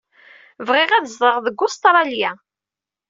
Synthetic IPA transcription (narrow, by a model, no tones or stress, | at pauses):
vʁɪʁæðəzðˤəʁðəɡːʊst̪ɾˤɑljæ